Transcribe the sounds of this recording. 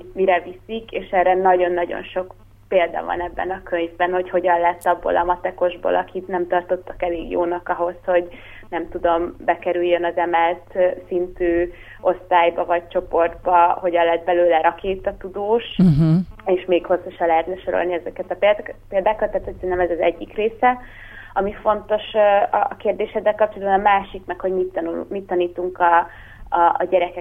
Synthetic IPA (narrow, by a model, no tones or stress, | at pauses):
miɾɛvisikeːʃɛːɾɛnɒɟo̞nːɒɟo̞̰nʃo̞k | peːld̪ɒ̰vɒ̰nɛbːɛ̰nɒkøɲvbɛnho̞cho̞ɟɒllɛt̪ːɒbːo̰lʔɒmɒt̪ɛko̞ʒbo̰lʔɒkʰit̪nɛmt̪ɒrt̪o̞t̪ːɒ̥kɛleːɡjo̰ːnɒkɒɦo̞sho̞ɟ | nɛmt̪ud̪o̞mbɛkɛɾyjːønɒzɛmɛlt̪sint̪yː | o̞st̪aːjbɒvɒɟ̚t͡ʃo̞po̞rd̪bɒho̞ɟɒlɛd̪̚bɛløːlɛɾɒkeːt̪ːɒt̪ud̪oːʃ | eːʃmeːkho̞sːoʃɒlɛɦɛt̪nɛʃo̞ɾo̰lniɛzɛkɛt̪ɒpepeːld̪aːkɒt̪ːaːt̪hocsɛɾɛnɛmɛzɒzɛɟːikreːsɛ | ɒmifo̞nt̪o̞ʃɒ̰ːkeːrd̪eːʃhɛzːɛlkɒp̚t͡ʃolɒd̪bɒnɒmaːʃikmɛkho̞ɟmit̪ːṵmit̪ːɒniːt̪uŋkɒ̰ː | ɟɛɾɛkɛ